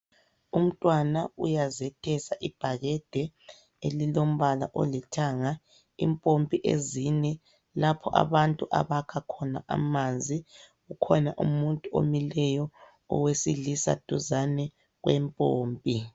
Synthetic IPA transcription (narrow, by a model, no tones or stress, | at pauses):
um̩tʼwanaṵjazɛtʰɛsaʔib̥ʱaɣɛd̥ʱɛ | elilom̩βala̰ʔo̰litʰaŋa | ḭmpʼompʼiʔezinɛ | lapʰɔʔa̰βantʼuʔa̰βakʰakʰɔna̰ʔa̰mand͡zʱi | ɣukʰɔnaʔumuntʼuo̰milɛjɔ | ɔ̰wesilisa̰d̥ʱuzanɛ | ɣwɛmpʼoːmpʼi